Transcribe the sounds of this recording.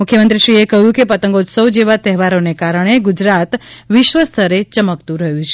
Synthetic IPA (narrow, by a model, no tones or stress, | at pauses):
mukʰjəmənt̪ɾiʃɾiekəɦjũkepət̪əŋɡot̪səwd͡ʒeʋat̪ɛɦɛʋaɾonekaɾəɳ̃eɡud͡ʒɾat̪ʋɪʃʋəst̪ʰəɾet͡ʃəməkt̪ũɾəɦjũt͡ʃʰ